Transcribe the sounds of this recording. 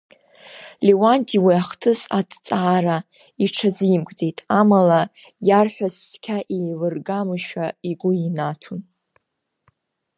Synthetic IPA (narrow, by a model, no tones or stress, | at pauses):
liwantʰʼiwiaχtʰɨsadt͡sʼaːɾa | iʈ͡ʂʰazɨjmkʼd͡ze̞jtʼamala | jarħʷᶣasːkʲʰaʔilɨrɡamɨʃᶣaiɡʷʊinatʰun